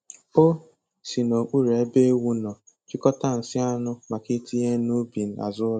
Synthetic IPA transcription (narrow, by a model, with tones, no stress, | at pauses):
o˦ | si˨no˨k͡pu˦ɾe˨˦be˦e˦wu˦nɔ˨ | t͡ʃɪ˦kɔ˦ta˦˨n̩˨sɪ˦a˦nʊ˦ma˨ki˦tʰi˦ɦe˦nu˦bi˨n̩˨a̰˨zʊ˦